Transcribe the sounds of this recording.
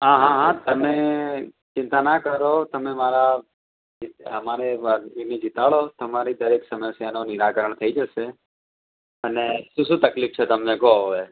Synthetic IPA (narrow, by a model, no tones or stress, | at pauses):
ɦãɦãɦãt̪əmẽ | t͡ʃɪ̃nt̪anakəɾot̪əmemaɾa | itɦəmaɾeʋəʋinid͡ʒɪt̪aɭot̪əmaɾid̪əɾeksəməsjanonɪɾakəɾəɳ̃t̪ʰəid͡ʒəʃe | əneʃũʃũt̪əklift͡ʃʰet̪əmnekooʋe